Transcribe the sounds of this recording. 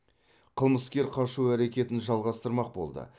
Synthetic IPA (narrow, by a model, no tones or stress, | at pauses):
qʰəlˠməskʲe̞ɾqʰɑʃuæɾe̞kʲe̞t̪ɪnʒɑlˠʁɑst̪əɾmɑq̚bo̞̰lˠd̪ə̰